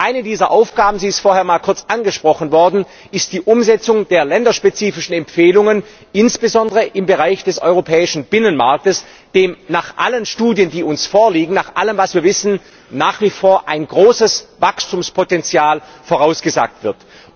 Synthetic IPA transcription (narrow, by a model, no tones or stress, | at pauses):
ʔaɪnədiːzɐʔaʊfɡ̥aːbm̩ziːɪstfoːɐheːɐmaːlkʰʊɐt͡sʔanɡəʃpʁ̥ɔχn̩vɔɐdn̩ | ʔɪst̚d̥iːʔʊmzɛt͡sʊŋd̥eːɐlɛndɐʃpet͡siːfɪʃn̩ɛmpfeːlʊŋən | ʔɪnsb̥əzɔndəʁəʔɪmbəʁaɪçd̥ɛsɔ̰ʏʁopʰɛːɪʃn̩b̥ɪnənmaɐk̚təs | d̥eːmnaːχʔa̰lənʃtuːdjəndiːʊnsfoːɐliːɡŋ̩naːχʔaləmvasv̥iːɐvɪsn̩ | naːχv̥iːfoːɐʔaɪnɡʁoːsəsvakstuːmspʰotɛnt͡sjaːlfoːʁaʊsɡ̥əza̰ːk̚tv̥ɪɐt